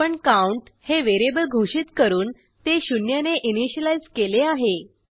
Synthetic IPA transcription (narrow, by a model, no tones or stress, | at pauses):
əɳkauɳʈheʋeɾebəlɡʱuʂiːt̪kəɾuːn | t̪eɕunjaneʔiniɕəlaid͡zkeleaɦe